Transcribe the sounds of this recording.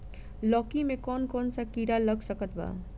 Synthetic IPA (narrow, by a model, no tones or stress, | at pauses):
lɔkimekɔnkɔnsakiɾaləɡsəkət̪ba̰